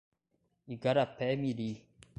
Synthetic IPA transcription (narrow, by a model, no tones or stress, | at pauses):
iɡaɾapɛmiɾi